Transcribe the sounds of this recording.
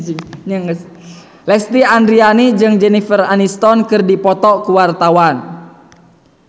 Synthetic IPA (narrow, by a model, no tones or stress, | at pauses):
ɲaŋ | lɛst̪iandɾianid͡ʒɨŋd͡ʒɛnifəranist̪ɔnkɨrdipɔt̪ɔkuwart̪awan